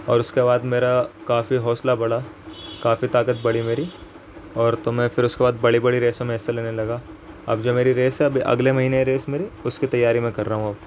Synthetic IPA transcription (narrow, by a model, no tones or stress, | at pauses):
ɔːɾʊskebaːd̪meːɾakaːfiɦɔːslabɐɽa | kaːfit̪aːkət̪̚bɐɽimeːɾi | ɔːɾt̪omɛ̃fɪɾʊskebaːd̪bɐɽibɐɽiɾeːsem̃ːseleːnelɐɡa | ɐ̰bd͡ʒoːmeːɾiɾeːsɛɐbʱiʔɐ̰ɡlemɐɦiːneeɾeːsmeːɾiʊskit̪ɐjːaːɾimẽkɐɾːaːɦũɐb